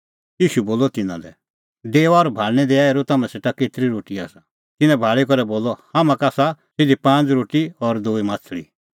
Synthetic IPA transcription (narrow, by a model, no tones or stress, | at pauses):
jiːʃuboːlɔt̪ɪnã̰d̪ɛ̰ | d̪eːɔːɾbʱaːɭnɛd̪eaeːɾot̪amãseːʈaket̪ɾiɾoːʈia̰ːsa | t̪ɪnɛ̃bʱaːɭikɔɾɛboːlɔhamãkaːsasɪd̪ipãːnd͡zɾoːʈiɔɾd̪oːimaːt͡sʰɭḭ